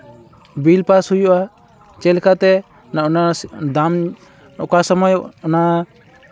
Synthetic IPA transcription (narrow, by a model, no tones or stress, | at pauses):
bilpashujɔʔa | t͡ʃɛlkat̪ɛ | naʔɔnad̪am | ɔkasɔmɔjɔna